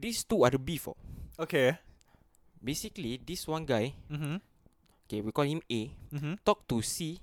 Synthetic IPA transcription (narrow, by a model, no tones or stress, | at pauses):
dist̪uadəbifɔ̰oke | besiklidiswãnɡajm̩m̩ | okewikɔlhĩmet̪ɔk̚tusi